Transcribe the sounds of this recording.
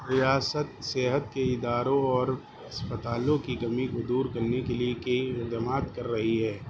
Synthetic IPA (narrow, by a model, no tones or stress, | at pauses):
ɾɪjaːsət̪seːɦət̪keɪd̪aːɾõɔːɾ | ɐspət̪aːlõkikɐmikod̪uːɾkɐɾnekeliekeiɪd̪əmaːt̪kɐɾːɐɦiɦɛː